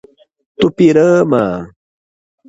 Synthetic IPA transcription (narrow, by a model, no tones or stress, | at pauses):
t̪upiɾəmaː